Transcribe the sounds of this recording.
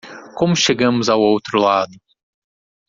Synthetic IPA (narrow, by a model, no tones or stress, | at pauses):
kõmʊʃeɡɐ̃mʊzawowt̪ɾʊlad̪ʊ